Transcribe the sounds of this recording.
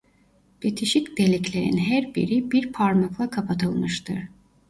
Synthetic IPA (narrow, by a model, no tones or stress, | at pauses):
b̪̥et̪ʰiʃicd̪̥elʲiclʲeɾinɦæɾbḭɾibiɾpʰaɾmaklˠakʰapʰat̪ʰɯlˠmɯʃt̪ʰɯɾ̥